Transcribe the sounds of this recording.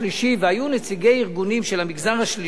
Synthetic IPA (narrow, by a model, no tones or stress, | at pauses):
liʃiveajunet͡siɡejiʁɡunimʃelamiɡzanaʃli